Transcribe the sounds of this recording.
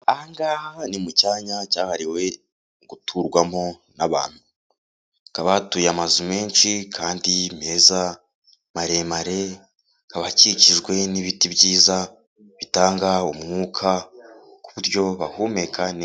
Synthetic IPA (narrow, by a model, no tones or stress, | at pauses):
aŋɡanimucaːɲacaːhaɾiwe̞ | ɡutʰuɾɡwamo̞ | naβa̰ːn̥hu | kaβatujamazume̞ːnt͡ʃikʰaːndime̞za | maɾe̞maɾe̞ | kaβaciciʒɡwe̞niβitibɟiːza | βitaːŋɡaumŋuːkʰakuβuɾjo̞βahume̞kʰan